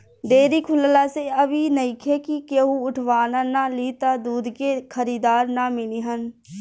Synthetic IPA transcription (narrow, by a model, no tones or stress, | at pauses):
d̪eːɾikʰʊllaseəbinəɪkʰekikeɦũʊʈʰʋaːnanaliːt̪ad̪uːd̪kekʰəɾiːd̪aːɾnamɪliɦən